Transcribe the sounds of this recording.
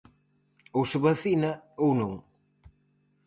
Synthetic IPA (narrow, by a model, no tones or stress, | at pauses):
owsɪβaθinɐownõŋ